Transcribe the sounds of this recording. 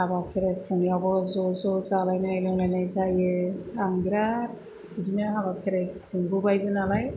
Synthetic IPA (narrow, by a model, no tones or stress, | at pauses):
abakʰeɾakʰunijabɔzɔzɔzalajnajlɔŋlajnajzajɯaŋɡɾaɾ | id͡ʒinɯaβakʰeɾajkʰunbubajbɯnalaj